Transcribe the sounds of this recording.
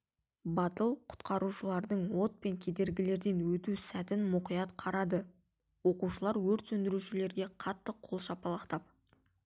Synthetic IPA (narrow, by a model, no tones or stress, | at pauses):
bɑt̪əlˠqʰʊ̥t̪qɑɾuʃəlˠɑɾd̪əɴwo̞t̪̚pe̞ŋkʲʰe̞d̪e̞ɾɡʲɪle̞ɾd̪e̞nwɵt̪usæt̪ɪnmʊqijɑt̪qʰɑɾɑd̪ə | wo̞quʃəlˠɑɾwɵɾt̪sɵnd̪ɪɾuʃɪle̞ɾɡʲe̞qʰɑt̪ːəqʰolˠʃɑpɑlˠɑqt̪ɑp̚